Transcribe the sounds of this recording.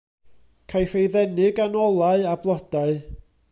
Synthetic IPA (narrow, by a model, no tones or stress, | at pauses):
kʰajfejðɛnɪɡanɔlˠaɨablˠɔd̥aɨ